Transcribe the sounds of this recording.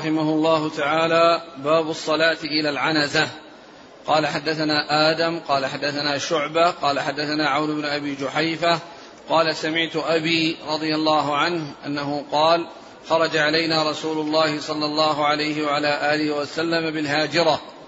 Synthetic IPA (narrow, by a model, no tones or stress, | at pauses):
ħɪmahʊlˤːɑːhʊt̪aʕaːlaːbaːbʊsˤːɑlaːt̪ʔɪlaːlʕanazah | qɑːlaħad̪ːaθanaːʔaːd̪amqɑːlaħad̪ːaθanaːʃʊʕbaqɑːlaħad̪ːaθanaːʕawnʊbnʊʔabiːd͡ʒʊħajfa | qɑːlasamɪʕt̪ʊʔabiːɾˤɑd̪ˤɨjalˤːɑːɦʊʕanhʔa̰nːahʊqɑːl | xɑɾˤɑd͡ʒaʕalajnaːɾˤɑsuːlʊlˤːɑːhɪsˤɑlːɑlˤːɑːɦʊʕalajhɪwaʕalaːʔaːlɪhɪwasalːamabɪlɦaːd͡ʒɪɾˤɑ